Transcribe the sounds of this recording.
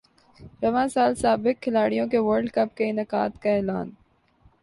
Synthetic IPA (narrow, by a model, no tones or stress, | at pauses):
ɾɐʋãːsaːlsaːbɪk̚kʰːɪlaːɽijõkeʋəɾɖkɐpkeɪnɐqa̰ːt̪kaɛːla̰ːn